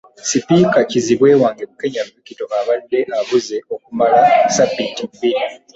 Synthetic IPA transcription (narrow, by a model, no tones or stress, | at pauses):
sipikaciziβwe̞ːwaːŋɡemuke̞ɲaβikito̞ʔaβadːe̞ʔaβuze̞o̞kumalasabːitimbii